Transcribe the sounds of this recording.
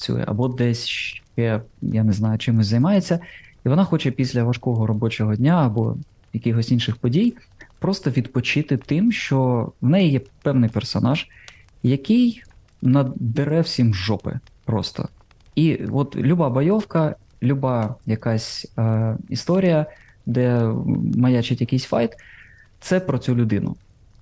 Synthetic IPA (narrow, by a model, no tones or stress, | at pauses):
t͡sʲṵjɛ̰ɐ̰bɔd̪ɛsʲʃkɛjaneznɑjʊt͡ʃɪmʊsʲzɐjmɑjet͡sʲːɐiʋɔnɑxɔt͡ʃɛpʲisʲlʲɐʋɐʃkɔɦɔɾɔbɔt͡ʃɔɦɔdʲnʲaɐbɔ̰ | jɐkʲɪxɔsʲinʃɪxpɔdʲij | pɾɔst̪ɔʋʲid̪pɔt͡ʃɪt̪ɪt̪ɪmʃt͡ʃɔwnɛjijɛpɛwnɪjpɛrsɔnɑʒ̥ | jɐkɪj | nɐd̪ɪɾɛwsʲimʒɔpɪ̰ | pɾɔ̰st̪ɔ̰ | iʔɔt̪lʲʊbɑbɔjɔwkɐ | lʲubɑjɐkasʲ | ist̪ɔɾʲijɐ | d̪ɛ | mɐjat͡ʃɪtʲjɐkɪjsʲfɑjt̪ | t̪sɛpɾɔt͡sʲulʲʊd̪ɪnʊ̰